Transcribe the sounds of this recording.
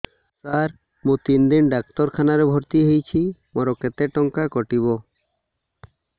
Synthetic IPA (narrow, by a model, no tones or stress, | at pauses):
saɾ | mũt̪ind̪inɖak̚t̪ɔɾkʰanaɾebʱɔɾt̪iɦejt͡ʃʰimɔɾɔket̪eʈɔŋkakɔʈiβo